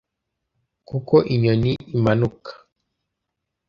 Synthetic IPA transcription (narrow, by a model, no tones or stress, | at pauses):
kukɔʔiɲɔniimanuk